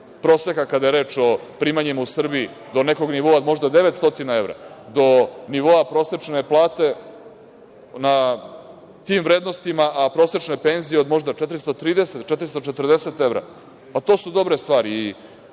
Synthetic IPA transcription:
pɾo̞ːsekakad̪ajeɾeːt͡ʃo̞pɾiːmaɲimausr̩bii | d̪o̞neko̞ɡniʋoaod̪mo̞ʒd̪ad̪e̞ʋet̪st̪o̞t̪inae̞ʋɾa̰d̪o̞niʋo̞apɾo̞se̞t͡ʂne̞plˠaːt̪e̞ | na | t̪iːmvɾeːd̪no̞st̪imaʔapɾo̞ːset͡ʃnepenzijeo̞d̪mo̞ʐd̪aet̪ɾist̪ot̪ɾiːd̪eset̪t͡ʃet̪ɾist̪ot͡ʃet̪rd̪ese̞t̪e̞vɾa̰ | pat̪o̞ːsud̪o̞bɾe̞st̪ʋaːɾiː

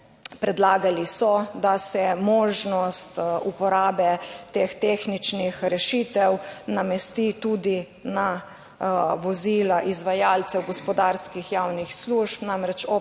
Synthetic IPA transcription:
pɾɛd̪laːɡalisɔd̪asɛmoːʒnɔst̪upɔɾaːbɛt̪ext̪eːxnit͡ʃnixɾɛʃit̪ɛwnamɛst̪it̪ud̪i | na | ʋɔzilaʔizʋajaːlt̪sɛwɡɔspɔd̪aːɾskixjawnixsluʃpnamɾɛt͡ʃɔ

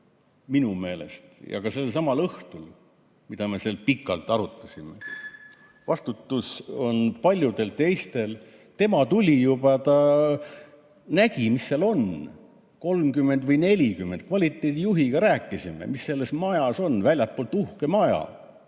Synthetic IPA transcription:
minume̞ːle̞̰st̪jɑ̰kɑse̞lːesɑmɑlɤht̪ul | mid̪̥ɑme̞seːlpikːˑɑlt̪ːˑɑɾut̪ˑːɑsʲimḛ | vɑst̪ut̪ːˑuso̞npɑlʲjud̪e̞lt̪e̞jst̪e̞l | t̪e̞mɑt̪ulʲijubɑt̪ɑ | næɡ̥imisːeɑlo̞n | ko̞lmkymːe̞nd̪vɤjne̞lʲikymːend̪̥̚kvɑlʲit̪ːˑe̞d̪̥ʲijuɦiɡ̥ɑɾæːkːˑisime̞̰misːe̞lːe̞smɑjɑso̞nvælʲjɑt̪̚poːlt̪ːuhke̞mɑjɑ̰

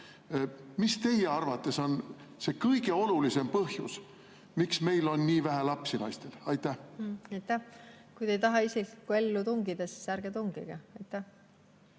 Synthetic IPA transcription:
mist̪e̞jeɑrvɑt̪ːˑe̞so̞n | se̞kɤjɡ̥e̞o̞lulise̞mpɤhjṵs | miksme̞jlo̞nːiːvæɦælɑpsilɑ̰jst̪e̞lɑjt̪ːˑæhɑjt̪ːˑæhkujd̪ejt̪ɑɦɑisekkːue̞lːut̪uŋɡid̪̥ɑsi̥sæɾɡ̥et̪uŋɡ̥ḭɡ̥ɑɑjt̪ːæ

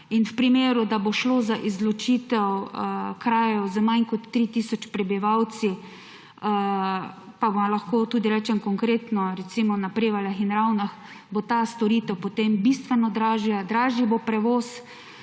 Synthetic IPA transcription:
inwpɾimeːɾʊd̪aboʃloːzaʔizlɔt͡ʃit̪ɛwkɾaːjɔwzəmajnkɔt̪ːɾit̪isɔt͡ʃpɾɛbiʋaw̪si | pabolaxkoːt̪ud̪iɾɛːt͡ʃɛmkɔŋkɾeːt̪nɔɾɛt̪simɔnapɾeːʋaljaxinɾawnax | bot̪ast̪ɔɾiːt̪ɛwpot̪embist̪ʋɛnɔd̪ɾaːʒiad̪ɾaːʒibopɾɛʋoːs

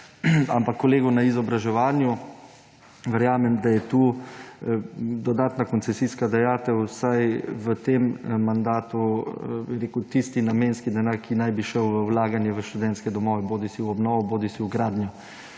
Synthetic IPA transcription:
ampakːɔleːɡɔnaizɔbɾaʒɛʋaːnju | ʋəɾjaːmɛmd̪ajɛt̪uː | d̪ɔd̪aːt̪nakɔnt̪sɛsiːskad̪ajaːt̪ɛwsajʋət̪emːand̪aːt̪ubiɾeːkut̪ist̪inamenskid̪ɛnaːɾkʰinajbiʃɛwʋəwlaːɡanjɛʋəʃt̪ud̪ɛnskɛd̪ɔmɔːʋɛboːd̪isiwɔbnɔːʋɔboːd̪isiwɡɾaːd̪nja

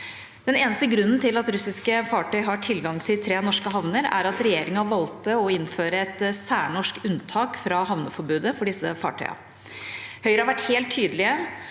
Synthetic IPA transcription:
d̪̥ɛneːnəst̪əɡɾʉnːn̩t̪ʰɪlɑt̪ɾʉsɪskəfɑːʈʰœʏɦɑʈʰɪlɡɑŋt̪ʰɪlt̪ʰɾeːnɔʂkəɦɑʋnəɾæ̰ɾɑt̪ɾɛjeːɾɪŋɑʋɑlt̪əɔɪnːføːɾəɛt̪sæːɳɔʂkʉnt̪ʰɑːkfɾɑɦɑʋnəfɔɾbʉːd̪əfɔɖɪsːəfɑ̰ːʈʰœ̰ʏɑ̰ | hœʏɾəhɑʋæʈheːlt̪ʰːyːd̪əlɪə

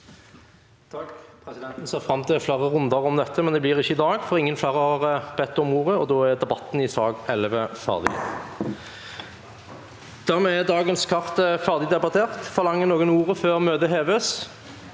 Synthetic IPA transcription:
t̪ʰɑkpʰʁɛsɪd̪ɛnt̪n̩seːʁfʁɑmːt̪ʰɪfleːʁəʁʉnd̪əʁɔmd̪ɛt̪ʰːəmɛnd̪ɛblɪːʁɪçːəɪd̪ɑːɡfɔʁɪŋːənflæːʁəɑʁbɛt̪ːɔmuːʁəɔd̪oːæʁd̪ɛbɑt̪ːn̩ɪsɑːɡɛlʋəfæ̰ʁd̪ɪ̰ | d̪̥æʁmɛɛd̪ɑːɡənskʰɑʁt̪fæʁd̪ɪd̪ɛbɑt̪ʰeːʁt̪fɔʁlɑŋːənoːɡənuːʁəføːʁmøːd̪əɦeːʋeːs

